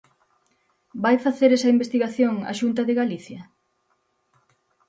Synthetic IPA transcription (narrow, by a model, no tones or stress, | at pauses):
bajfaθeɾesɐimbest̪iɣaθjoŋa̰ʃunt̪ɐðeɣaliθjɐ